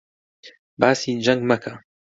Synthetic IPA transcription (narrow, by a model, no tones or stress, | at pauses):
baːsid͡ʒaŋɡmaka